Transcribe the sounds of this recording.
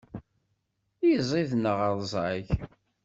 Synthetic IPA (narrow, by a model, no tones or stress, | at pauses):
jəzˤiðnəʁəðˤzˤaç